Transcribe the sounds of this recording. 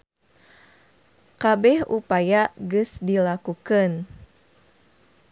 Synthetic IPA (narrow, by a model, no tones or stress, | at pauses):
kabɛhupajaɡusdilakukən